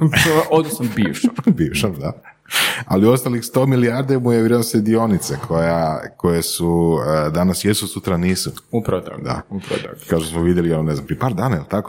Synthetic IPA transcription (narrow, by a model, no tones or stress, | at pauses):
ot̪osambiːʋʃambiːʋʃamd̪a | a̰lio̞st̪alixst̪o̞milijaɾd̪emujeʋɾed̪nosed̪io̞nit̪sekʰo̞jako̞jesud̪anasjesusut̪ɾaniːsuupɾaot̪a̰kd̪a̰upɾa̰t̪akad̪ʃt̪osmoʋid̪jeliononeznampɾijepaːɾd̪aːnailt̪ako